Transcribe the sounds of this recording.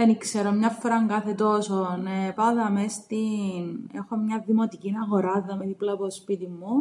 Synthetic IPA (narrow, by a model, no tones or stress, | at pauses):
enikseɾomɲɐfːoɾɐŋɡɐθet̪osonepɐðɐmest̪inexomɲɐðimot̪icinɐɣo̞ɾɐðːɐmiðiplɐpospit̪imːu